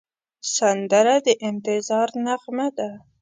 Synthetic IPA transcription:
sand̪aɾad̪əʔɪnt̪ɪzɑɾnaɣmad̪a

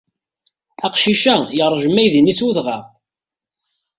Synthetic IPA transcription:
æqʃiʃæjəɾˤʒəmæjðinisuðʁæ

